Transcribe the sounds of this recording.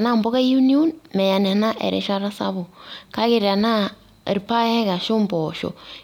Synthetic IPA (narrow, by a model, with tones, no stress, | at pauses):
na˦mbɔ˦ɣa˦ju˦nio˦nmɛ˨ja˨n˨a˨na˦ʔɛ̰˨ɾɛ̰˨˦ʃa˦ɾa˦sa̰˦βo˨ka˦kɪ˨ɾa˨na˦˨ | ɾpa˦ɛ˦ɡa˨ʃo˦mbɔ˨ʃo̰˨